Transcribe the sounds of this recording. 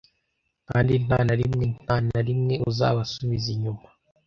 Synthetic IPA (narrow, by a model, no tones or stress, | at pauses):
ka̰ːndin̥aːnaɾimŋen̥aːnaɾimŋe̞uza̰ːβasuβiziɲuma